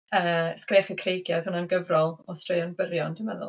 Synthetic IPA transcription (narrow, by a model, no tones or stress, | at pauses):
əːskreːfəkʰrejɡjað̥hʊnanɡəvrɔlˠɔstrejɔnbərjɔndəməðʊ̰lˠ